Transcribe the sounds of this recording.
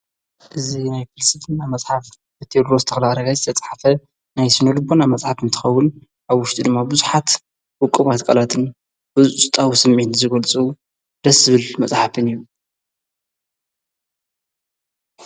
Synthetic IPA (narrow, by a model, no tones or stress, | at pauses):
ʔɨzinajfɨlsɨt̪ʰɨnamɐt͡sʼħaf | bɨt̪ʰed̪ɾozɨt̪ʰɐxɐlaɾɐɡajzɨt̪ʰɐt͡sʼħafɐ | najsɨnolɨbonamɐt͡sʼħafɨnt̪ʰɨ̥xɐwːʊn | ʔaβwʊʃt̪ʼid̪ɨmːabɨzuħat̪ | wʊkʼːɨβat̪kʼɐlat̪ʰɨn | bɨzusɨt̪ʼawusɨmʕit̪zɨɡɐlt͡sʼu | d̪̥ɐsɨβɨlmɐt͡sʼħafɨnijːu